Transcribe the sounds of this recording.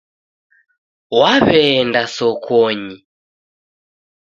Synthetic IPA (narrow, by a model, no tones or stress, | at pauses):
waβɛndasɔkʰɔɲi